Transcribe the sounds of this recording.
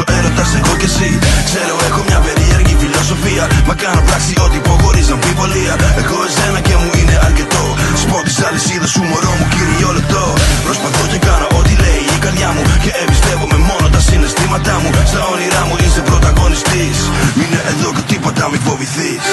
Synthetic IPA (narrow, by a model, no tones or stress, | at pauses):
ɛɾot̪ɐsɛɣokesiksɛɾoɛxomɲɐpeɾiɛɾkifilosofiɐmɐkanopɾaksiot̪ipoɣoɾisɐɱfivoliɐekoɛzɛnɐkemuineɐɾket̪ospɔɾt̪i̥salisiðɐsumoɾomukiɾiolet̪opɾospɐθot̪ekanɐʔot̪ilɛjikɐlamukeɛvist̪ɛkomemonot̪ɐsinest̪imɐt̪amusaoniɾamuisepɾot̪ɐɣonist̪isineʔɛðoket̪ipɐt̪amifoviθi